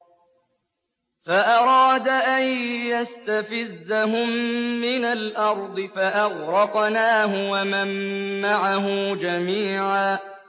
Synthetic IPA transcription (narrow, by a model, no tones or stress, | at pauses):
faʔɑɾˤɑːd̪aʔanjast̪afɪzːaɦʊmːɪnalʔɑɾˤd̪ˤɨfaʔɑɣɾɑqnaːɦʊwamamːaʕaɦʊd͡ʒamiːʕaː